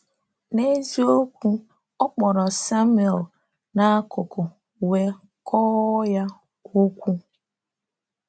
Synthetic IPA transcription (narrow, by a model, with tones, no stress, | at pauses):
ne˦zi˦o˦kʷu˦ | ɔ˦k͡pɔ˨ɾɔ˨sa˦mu˦˨e˨l | na˦kʊ˨kʊ˨ | we˦ | kʰɔ˦ɣɔ˦ja˦ | o˦kʷu˦